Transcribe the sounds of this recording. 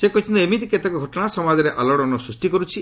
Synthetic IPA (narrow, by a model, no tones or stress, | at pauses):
sekɔɦit͡ʃʰĩnt̪ɔemit̪iket̪akɔɡʱɔʈɔɽ̃asɔmad͡ʒɔɾeʔalɔɽɔnɔsɾusʈikɔɾut͡ʃʰi